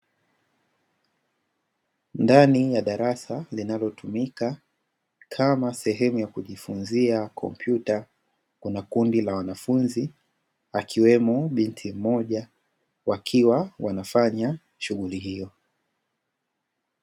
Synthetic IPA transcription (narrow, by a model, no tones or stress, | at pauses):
ndanijaɗaɾasalinalɔtumika | kʰamasɛɦɛmujakuʄifunziakʰɔ̰mpʰjuta | kunakundilawanafunzi | akʰiwɛmɔɓintʰim̩mɔʄa | wakʰiwawanafaɲa | ʃuɣuliɦijɔ